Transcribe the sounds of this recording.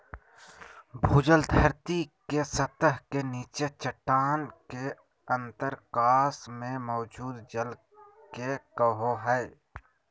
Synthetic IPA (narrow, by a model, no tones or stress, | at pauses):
bʱuːd͡ʒəld̪ʱəɾt̪ikesət̪əɦkeniːt͡ʃet͡ʃəʈaːnke | ə̃nt̪əɾkaːsmẽmɔːd͡ʒuːd̪d͡ʒəl | kekəɦoɦɛː